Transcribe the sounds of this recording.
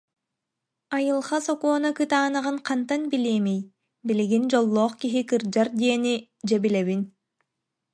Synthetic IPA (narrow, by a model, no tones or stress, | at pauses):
ajɯlˠχasɔkuɔnakɯt̪aːnɯʁɯŋqʰant̪anbilʲiːmij | bilʲiɡind͡ʒɔlˠːɔːχkiɦikɯɾd͡ʒaɾd̪iɛni | d͡ʑɛbilɛβin